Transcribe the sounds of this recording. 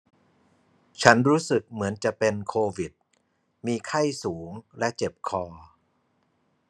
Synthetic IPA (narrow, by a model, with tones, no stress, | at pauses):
t͡ɕʰa˦˥nɾuː˦˥sɯ˨˩k̚mɯ˩˦ənt͡ɕa˨˩pe˧nkʰoː˧wi˨˩t̪̚ | miː˧kʰa˥˩jsuː˩˦ŋlɛ˦˥t͡ɕe˨˩p̚kʰɔː˧